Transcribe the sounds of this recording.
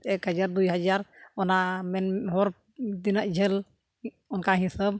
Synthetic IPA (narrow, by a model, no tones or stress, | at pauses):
ɛkhəd͡ʒaɾd̪ujɦad͡ʒaɾɔnamɛnɦɔɾ | d̪inaʔd͡ʒʱɛl | ɔnkaɦĩsəb̚